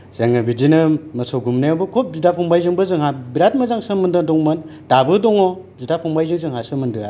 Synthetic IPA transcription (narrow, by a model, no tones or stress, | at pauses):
z̥aŋɯbidinɯmɯsɔɡumnajabɯkʰop̚zidapʰɔŋbajzɯŋbɯzɯŋhabiɾat̚mɯzaŋsɯmɯndɯdɔŋmɯndabɯdɔŋɔ | zidapʰɔŋbajzɯŋzɯŋɦasɯmɯndɯa